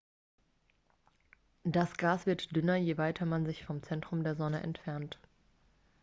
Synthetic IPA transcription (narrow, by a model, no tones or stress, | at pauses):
d̥asɡ̥aːsv̥ɪɐtd̥ʏnɐjeːvaɪtʰɐmanzɪçfɔmt͡sɛntʁ̥ʊmdeːɐzɔnəʔɛ̰ntfɛɐnt